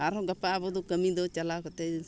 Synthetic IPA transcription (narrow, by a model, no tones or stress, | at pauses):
aɾɔɡapːabɔd̪ukəmid̪ɔt͡ʃalakɔt̪e